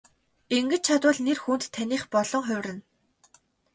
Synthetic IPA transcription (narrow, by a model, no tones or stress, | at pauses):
eŋɡɘ̆t͡ɕt͡ɕʰat̪ʊːɮnerxuːnt̪ʰːaniːχpɔɮ̥ɞ̆ŋχʊwʲrɘ̆n